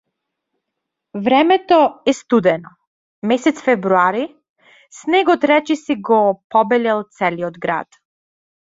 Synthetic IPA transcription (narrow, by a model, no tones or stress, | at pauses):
vɾɛmɛt̪ɔɛst̪ud̪ɛnɔ | mɛsɛt̪sfɛvɾuaɾi | snɛɡɔt̪ɾɛt͡ʃisiɡɔpɔbɛlɛlˠt̪sɛliɔd̪ɡɾa̰t̪